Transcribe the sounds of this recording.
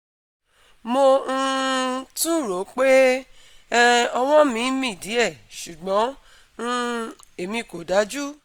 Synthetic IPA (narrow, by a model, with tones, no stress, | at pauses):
mo˧ñ̩˧tũ˦˨ɾo˨˦k͡pe˦ | ɔ˧w̃ɔ̃˦mĩ˨˦mĩ˦˨di˨˦ɛ˦˨ʃu˨ɡ͡bɔ̃˨˦ | ñ̩˦ | e˨mĩ˧˨ko˨da˨˦d͡ʒu˦